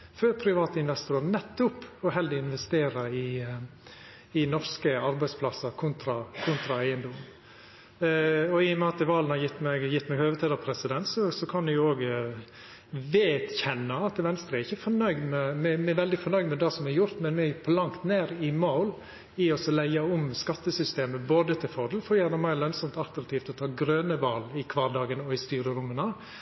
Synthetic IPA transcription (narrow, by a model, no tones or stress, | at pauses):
føːɾpʰɾɪʋɑːt̪əɪnʋɛst̪ʊɾɾnɛt̪ːʊpɔɦɛld̪ɪɪnʋɛst̪eːɾəɪ | ɪnɔɾskəɑɾbæɪspʰlɑsəɾkʰʊnt̪ɾɑkʰʊnt̪ɾɑæɪənd̪ɔm | ɔɪjɔmɛɑt̪əʋɑːlənhɑɾjɪt̪ːmɛɡjɪt̪ːmɛɡhøːʋət̪ʰiːd̪ɑpʰɾɛsɪd̪ɛnt̪sɔsɔkʰɑndɪjʊoːɡ | ʋeːt̪çɛnːɑɑt̪ʋɛnst̪ɾəɛɾɪçːəfɔɾnœʏɡd̪mɛmɛmɛʋɛld̪ɪfɔɾnœʏɡd̪mɛd̪ɑːsɔmɛɛjʊɾt̪mɛnmɛpʰɔlɑŋt̪neːɾɪmoʊl | ɪɔsɔlæɪɑʊmskɑt̪ːəsʏst̪eːməboːd̪ət̪ʰɪlfɔd̪l̩fɔɾjæːnəmæɪlœnsɔmt̪ɑlt̪ɾɑkt̪ʰiːft̪ɔt̪ʰɑːɡɾøːnəʋɑːlɪkʰʋɑːɾd̪ɑːɡənɔɪst̪yːɾəɾʊmːənɑ